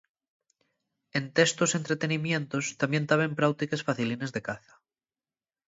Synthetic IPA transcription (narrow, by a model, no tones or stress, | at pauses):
e̞nt̪est̪ose̞nt̪ɾe̞t̪e̞nimjẽ̞nt̪ost̪amje̞nt̪aβempɾawt̪ikesfaθiline̞zðekaθḁ